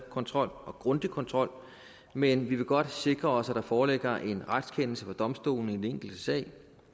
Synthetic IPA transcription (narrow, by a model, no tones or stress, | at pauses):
kʰɒ̽nt͡sʰʁɒ̽l̰ɒ̽ɡ̥ʁɔ̽nd̥ikʰɒ̽nt͡sʰʁɒ̽l̰ | menʋiʋe̝ɡ̥ɒ̽d̥se̝ɡ̥ʁɐɒ̽sæd̥ɑ̈fɒːleɡ̥ɐʔe̝nʁad̥skʰen̰l̩səfɒ̽d̥ɒ̽msd̥o̝̰ːln̩id̥ene̝ŋ̰ɡ̥l̩d̥əsɛ̰ɪ